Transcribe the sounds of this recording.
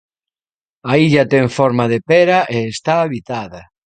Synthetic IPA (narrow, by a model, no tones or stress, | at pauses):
aiʎɐt̪ɛŋfɔɾmaðepɛɾɐʔeːst̪aːβit̪aðɐ